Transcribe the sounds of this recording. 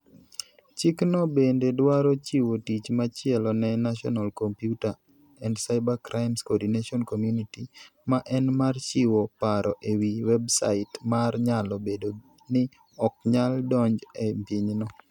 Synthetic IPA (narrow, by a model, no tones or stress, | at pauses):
t͡ʃɪknɔbendedwaɾɔt͡ʃiwotit͡ʃmat͡ʃɪɛlɔnɛnaʃɔ̰nalkompjuta | ɛndsaɪbakɾʔaɪmskɔdineʃɔnkomjunitimaʔɛnmart͡ʃɪwopaɾʔɔʔewiwɛbsa̰ɪtmarɲalɔbedo | nɪ | ɔk̚ɲaldɔɲd͡ʒɛmpɪɲnɔ